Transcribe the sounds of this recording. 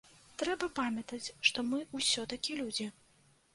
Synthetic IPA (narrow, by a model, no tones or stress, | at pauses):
t̪ɾɛbɐpamʲɐt̪ɐt͡sʲʂt̪ɔmɨusʲɔt̪ɐkʲilʲud͡zʲi